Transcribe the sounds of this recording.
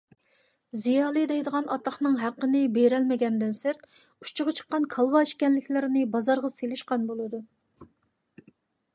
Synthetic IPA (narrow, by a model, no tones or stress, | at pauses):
zijɑːlˠɨd̪ɛjd̪əʁɑnɑt̪lˠɑχnɨŋɦæqːənɪbeɾɛlmɪɡʲɛnd̪ɨnsɪɾt̪ | ut͡ʃʰʊʁɑt͡ʃʰə̥qːɑnkʰɑlˠwɑiʃkʲɛnlɪkʲlɪɾɪnɪbɑzɑɾʁɑselɪʃqɑnbolˠɨd̪u